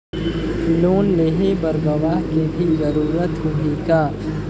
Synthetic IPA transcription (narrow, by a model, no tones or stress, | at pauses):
fɪloːnleːɦebɐɾɡɐʋaːɦkebʱizɐɾuːɾət̪ɦʊɦiːkaː